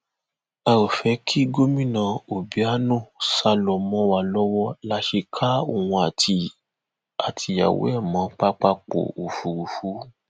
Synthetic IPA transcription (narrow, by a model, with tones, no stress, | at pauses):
a˧ɾo˨fɛ˨˦kʰi˦ɡo˦mĩ˦˨nã˧o˨bi˨˦a˦nũ˦˨sa˧lɔ˨mɔ̃˧˦wa˧lɔ˦wɔ˦la˦ʃe˧kʰa˦o˦˨w̃ũ˧a˨tʰi˧ | a˨tʰi˧ja̰˨wo̰˨˦ɛ˦˨mãː˨˦k͡pa˦k͡pa˦k͡po̰˨o˨fu˨u˨fu˨˦